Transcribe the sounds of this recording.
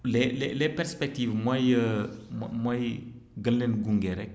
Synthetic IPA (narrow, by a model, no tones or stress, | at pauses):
lɛlɛlɛpɛɾspɛk̚tivmajəmmaj | ɡənlenɡuŋɡɛɾɛk̚